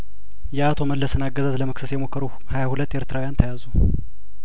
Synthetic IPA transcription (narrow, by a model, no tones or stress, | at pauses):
jɛat̪ʰo̞məlːəsɨnaɡəzazləməksəsjɛmo̞kːəɾu | hajahulət̪ːjeɾt̪ɨɾawujant̪ʰəjazu